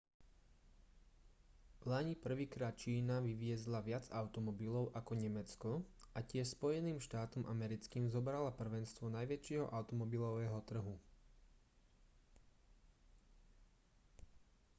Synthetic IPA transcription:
laɲipr̩ʋiːkɾaːt̪̚t͡ʃiːnaʋiʋɪɛzlaʋɪad͡zaʊt̪ɔmɔbilɔʊʔakɔɲɛmɛt͡skɔʔacɪɛʃspɔjɛniːmʃt̪aːt̪ɔmʔamɛɾit͡skiːmzɔbɾalapr̩ʋɛnst̪ʋɔnajʋɛt͡ʃɪɛɦɔ̰ʔaʊt̪ɔmɔbilɔʋɛːɦɔt̪r̩ɦu

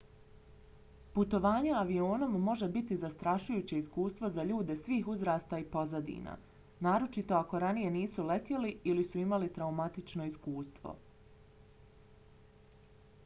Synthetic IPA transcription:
put̪o̞ʋaːɲaaʋio̞ːno̞mːo̞ʒe̞bit̪izast̪ɾaʃujuːt͡ɕe̞iskuːst̪ʋo̞zaʎuːd̪e̞sʋiːxuzɾaːst̪aipo̞zad̪ḭːna̰ | naːɾo̞t͡ʃit̪o̞akoɾanije̞niːsulet̪jeliilisuimalit̪ɾaumat̪it͡ʃno̞iskuːst̪ʋo̞̰

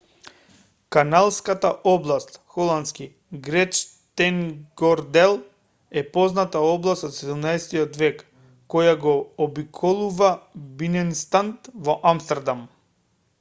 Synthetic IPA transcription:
kanalˠskat̪aʔɔblˠast̪xɔlˠant̪ski | ɡɾɛt͡ʃ | t̪ɛŋɡɔɾd̪ɛlˠ | ɛpɔznat̪aɔblˠast̪ɔt̪sɛd̪umnaɛsɛt̪iɔt̪vɛkː | ɔjaɡɔːbikʰɔlˠuvabinɛnst̪ant̪vɔʔamst̪ɛɾd̪am

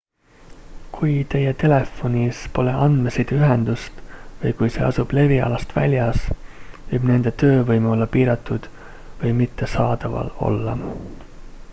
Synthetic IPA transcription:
kʰujt̪e̞jet̪e̞le̞fːo̞nʲispo̞le̞ʔɑnd̪̥mesid̪̥yɦend̪̥ust̪vɤjkujse̞̰ːɑsub̥le̞viɑ̰lɑst̪væ̰lʲjɑsvɯjb̥ne̞nd̪̥e̞t̪ø̞ːvɤjmeo̞lːɑpiːɾɑt̪ːˑud̪̥ | vɤjmit̪ːe̞sɑːd̪̥ɑvɑ̰lo̞̰lːɑ̰

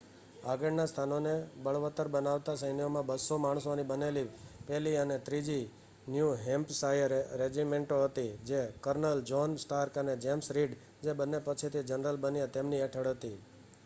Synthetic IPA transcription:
aɡəɽnast̪ʰanonebəɭʋət̪əɾbənaʋt̪asəjnijomãbəsomaɽ̃sonibənelipɛliənet̪ɾid͡ʒi | njuɦɛmpsajəɾɾed͡ʒimeɳʈoɦət̪id͡ʒekəɾnəld͡ʒonsʈaɾkəned͡ʒemsɾiɖ | d͡ʒebənːepət͡ʃʰit̪ʰid͡ʒənɾəlbənijet̪emniɛʈʰəɽɦət̪i

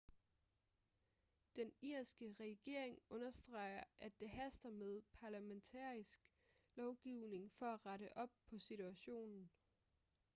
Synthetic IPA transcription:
d̥eniɐ̰sɡ̥əʁɛɡ̥e̝ɐ̰eŋɔ̽nɐsd̥ʁɑ̈ɪ̰ɐʔæd̥ːe̝ɦæsd̥ɐmeð̞ˠpʰɑ̈læment͡sʰɑ̰̈ːisɡ̥ | lɒʊɡ̥iʊne̝ŋfɒ̽æʁɑɾəʔɒ̽b̥̚pʰɒ̽sit͡sʰuæɕo̝̰ːnn̩

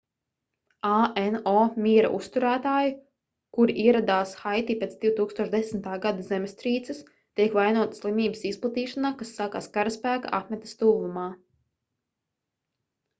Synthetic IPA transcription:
aɛnoːmʲiːɾa̰ʔust̪uɾæːt̪aːju | kuɾiʔiɛɾad̪aːsxajt̪ipʲeːt̪d̪ʲiwt̪uːkst̪oɔʃd̪esm̩t̪aːɡad̪azɛmst̪ɾiːt̪sɨs | t̪iɛkʋajnuɔt̪ḁslˠimʲiːbəsisplˠat̪iːʃanaːkasːaka̰ːskaɾaspæːka̰ʔa̰t̪mʲɛt̪st̪uːumaː

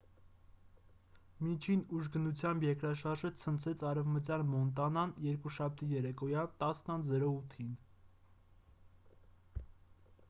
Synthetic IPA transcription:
mit͡ʃʰinuʒɡənut͡sʰjɑmbjɛkɾɑʃɑɾʒət͡sʰənt͡sʰɛt͡sʰɑrɛvmət͡sjɑnmɔnt̪ɑnɑnjɛɾkuʃɑp̚ʰt̪ijɛɾɛkɔjɑnt̪ɑsnɑnzɛɾɔut̪ʰin

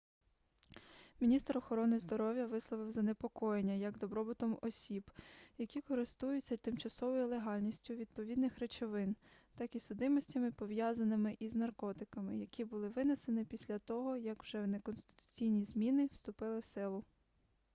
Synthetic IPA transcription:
mʲinʲist̪ɾɔxɔɾɔnɪzd̪ɔɾɔʋjɐʋɪslˠɔʋɪwzɐnepɔkɔjenʲːɐjɐɡd̪ɔbɾɔbɪt̪ɔmɔsʲibjɐkʲikɔɾɪst̪ujʊt͡sʲːɐt̪ɪmt͡ʃɐsɔʋɔjilˠeɦɑlʲnʲisʲtʲʊʋʲid̪̚pɔʋʲid̪nɪxɾet͡ʃɔʋɪnt̪ɑkisʊd̪ɪmɔsʲtʲɐmɪpɔʋjazɐnɪmɪʔiznɐrkɔt̪ɪkɐmɪ̰jɐkʲibʊlˠɪʋɪnesenɪpʲisʲlʲɐt̪ɔɦɔjɐkwʒ̥ɛwnekɔnst̪ɪ̥t̪ʊ̥t͡sʲijnʲizmʲinɪwst̪ʊpɪlˠɪsɪlˠʊ

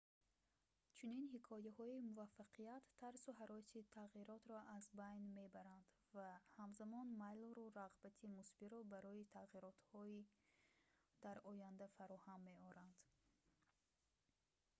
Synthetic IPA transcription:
t͡ʃʰuninhikʰɔjahɔimuvafːaqʰiat̪ʰːaɾsuɦaɾɔsit̪ʰaʁiɾɔt̪ɾɔʔazbajnme̞baɾand̪ | vahamzamɔnmajlɾuɾaʁbat̪ʰimusbiɾɔbaɾɔit̪ʰaʁiɾɔt̪hɔi | d̪̥aɾɔjand̪afaɾɔhamːe̞ɔɾand̪̥

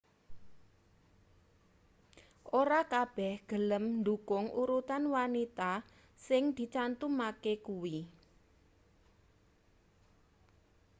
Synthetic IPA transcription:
ʔoɾakab̥ɛhɡ̥ə̤ləmɳd̪ukʊŋʔuɾut̪anwanit̪a | sɪŋd̪̥i̤t͡ʃant̪umakekuwi

